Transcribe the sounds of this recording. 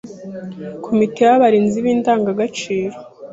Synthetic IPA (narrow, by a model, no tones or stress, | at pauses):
kʰomitejaβaɾiːnziβiːndaːŋɡaɡat͡ʃiːɾo